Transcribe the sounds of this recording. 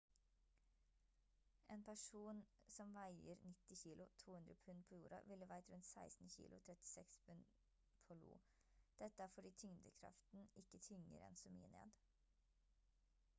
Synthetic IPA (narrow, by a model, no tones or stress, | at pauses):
ʔeːnpʰæʂuːnsɔmʋæɪəɾnɪt̪ɪçiːlʊt̪ʰuːhʉnd̪ɾəpʰʉnpʰoːjuːɾɑ̰ʋɪləʋæɪt̪ɾʉnt̪sæɪst̪n̩çḭːlʊ̰t̪ʰɾɛt̪ɪ̥sɛkspʰʉn | pʰoːlṵː | d̪̥ɛt̪ːəæːɾfɔɖiːt̪ʰʏŋd̪əkʰɾɑ̰ft̪n̩ʔɪkːət̪ʰʏŋə̰ɾɛ̰nsomy̰ːənḛːd̪